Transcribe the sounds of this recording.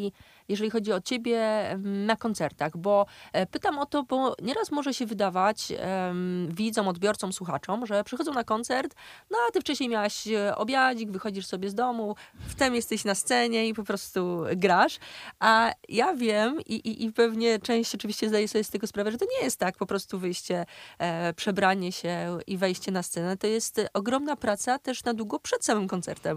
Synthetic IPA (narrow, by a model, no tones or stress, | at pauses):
i | jɛʐɛlʲixɔd͡ʑiɔt͡ɕebʲjɛnakɔnt̪sɛɾt̪aɣbɔpɘt̪amɔt̪ɔbɔɲɛɾasmɔʐɛɕɛvɘd̪avat͡ɕ | vʲid̪zɔ̃w̃ɔd̪bʲjɔɾt̪sɔmswuxat͡ʂɔmʐɛpʂɨxɔd̪zɔ̃w̃nakɔnt̪sɛɾt̪nɔat̪ɘft͡ʂɛɕɲejmʲawaɕɔ̰bʲjad͡ʑiɡvɘxɔd͡ʑiʂsɔbʲjɛzd̪ɔmuft̪ɛmjɛst̪ɛɕnast̪sɛɲɛipɔpɾɔst̪uɡɾaʂʔajavʲjɛmiʔiʔipɛvɲɛt͡ʂɛ̃w̃ɕt͡ɕɔt͡ʂɨvʲiɕt͡ɕɛzd̪ajɛsɔbʲjɛst̪ɛɡɔspɾavɛʐɛt̪ɔɲɛjɛst̪ːakpɔpɾɔst̪uvɘjɕt͡ɕɛ | pʂɛbɾaɲɛɕɛivɛjɕt͡ɕɛnast̪sɛnɛt̪ɔjɛst̪ɔɡɾɔmnapɾat̪sat̪ɛʂnad̪wuɡɔpʂɛt̪samɘmkɔnt̪sɛ̰ɾt̪ɛm